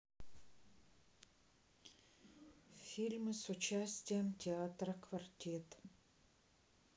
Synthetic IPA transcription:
fʲilʲmɨsʊt͡ɕæsʲtʲɪjəmtʲɪat̪rəkvɐrtʲet̪

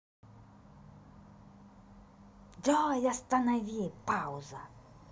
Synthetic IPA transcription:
dʲɔjast̪anavʲipawza

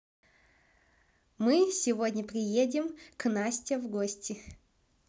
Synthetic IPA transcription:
mɨsʲɪvodʲnʲəpɾʲɪjedʲɪmknasʲtʲəvɡosʲtʲɪ

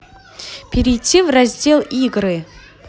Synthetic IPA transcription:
pʲɪɾʲɪjtʰʲːivrazʲdʲelˠiɡrɨ

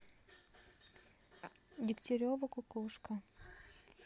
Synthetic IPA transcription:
dʲɪkt̪ʲɪɾʲovəkʊkuʂkə

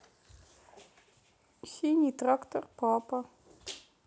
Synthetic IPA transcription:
xinʲitrakt̪ʰɔrpʰɑːpa

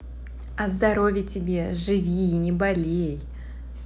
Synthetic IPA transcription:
ɐzd̪ɐɾo̞vʲɪtʲɪbʲe̞ʐɨvʲiːnʲɪbɐlʲej

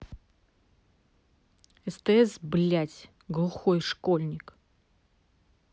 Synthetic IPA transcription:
ɛst̪əɛsblʲætʲ | ɡlˠuxojʂkolʲnʲɪk

